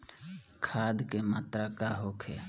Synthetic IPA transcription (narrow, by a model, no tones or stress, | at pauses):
kʰaːd̪kemaːt̪ɾakaːɦoːkʰeː